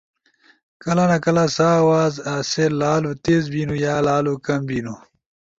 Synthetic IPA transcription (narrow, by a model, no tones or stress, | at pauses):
kɐlɐnɐkɐlɐsaːwaːzaːselaːlut̪eːzbiːnujaːlaːlukɐmbiːnu